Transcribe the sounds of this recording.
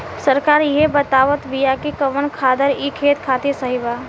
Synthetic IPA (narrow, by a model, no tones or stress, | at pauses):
səɾkaːɾjebət̪aːʋət̪bijakikɐʋənkʰaːd̪əɾikʰeːt̪kʰaːt̪isɐɦibaː